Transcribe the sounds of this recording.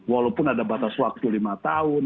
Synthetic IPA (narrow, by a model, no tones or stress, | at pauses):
walapʊnadabat̪aswak̚t̪ulimat̪aʊn